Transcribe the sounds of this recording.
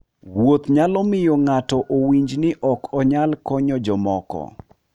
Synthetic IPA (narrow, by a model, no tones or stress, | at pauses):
wot̪ɲalɔmɪjɔŋatɔʔowiɲd͡ʒnɪʔɔkʰɔɲalkɔɲɔd͡ʒɔmɔkɔ̰